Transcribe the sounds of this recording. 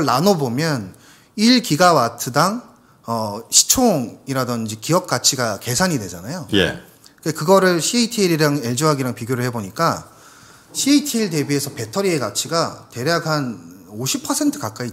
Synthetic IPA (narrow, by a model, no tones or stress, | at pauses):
ɭːanobomjʌn | iɭkiɡawatʰɯdaŋ | ʌɕʰi̥t͡ɕʰoŋiɾadʌnd͡ʑikiʌp̚k͈at͡ɕʰiɡake̞sʰaɲidwe̞d͡ʑanajoje | ɯekɯɡʌɾɯɭɕʰieitʰiːɾiɾaŋeɭd͡ʑuɦaɡiɾaŋpiɡjoɾɯɭheboɲik͈a | ɕʰitʰiːɭte̞bie̞sʰʌpe̞tʰʌɾieɡat͡ɕʰiɡate̞ɾjaɡɦanoɕʰipʰʌsʰe̞ntʰɯ̥kak͈ai